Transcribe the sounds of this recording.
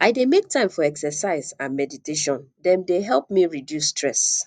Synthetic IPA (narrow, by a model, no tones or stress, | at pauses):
aɪdemek̚tãɪ̃mfɔɛksɛsaɪzãnmɛditeʃɔ̃ndɛ̃mdeɦɛlˠp̚miɹidjusːtɹɛs